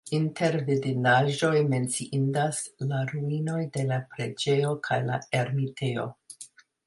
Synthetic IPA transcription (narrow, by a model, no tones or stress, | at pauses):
inte̞ɾvidinaʒo̞jme̞nt͡siʔindaslaɾuino̞jde̞lapɾed͡ʒe̞jo̞kʰajla̰e̞ɾmitʰe̞o̞̰